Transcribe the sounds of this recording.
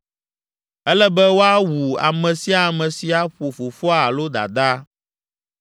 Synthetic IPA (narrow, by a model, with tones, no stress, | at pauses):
ɛ˦lɛ˦bɛ˦wo˦a˦wu˨a̰˨mɛ̃˨si˦a˨mɛ̃˨si˨a˦ɸo˨fo˨fɔ˦a˨lo˦d̪a̰˨d̪a˦